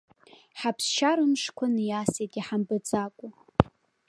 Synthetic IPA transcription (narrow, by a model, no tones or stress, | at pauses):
ħapʰsʃaɾɨmʂkʷʰʊnɨjasitʼiħambɨt͡sʼakʷʼu